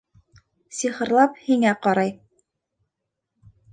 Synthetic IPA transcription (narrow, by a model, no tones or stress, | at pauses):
siχɤ̆ɾlˠɑp̚hiŋæqɑɾɑj